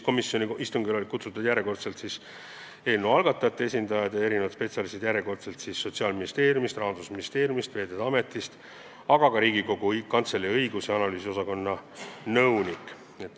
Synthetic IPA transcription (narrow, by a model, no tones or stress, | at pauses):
ko̞misjo̞niist̪uŋɡilolikut̪sut̪ːˑud̪̥jæɾjeko̞rt̪se̞lt̪sis | e̞ːlnevɑlɡ̥ɑt̪ːˑɑjɑt̪ːeesʲind̪ɑjɑd̪ɑe̞ɾinevɑt̪spe̞t̪ʲsʲɑlist̪ed̪̥jæɾjeko̞rt̪se̞lt̪sisːo̞t̪siɑːlminist̪e̞ːɾjumist̪rɑɦɑnd̪usminist̪e̞ːɾjumist̪ve̞ːd̪ed̪̥ɑme̞t̪ːˑist̪ | ɑɡ̥ɑkɑɾiːɡiko̞ɡ̥ukɑnt̪selːiɤjɡusjɑɑnɑlyːsio̞sɑko̞nːɑnɤwnikˑ | et̪ːˑ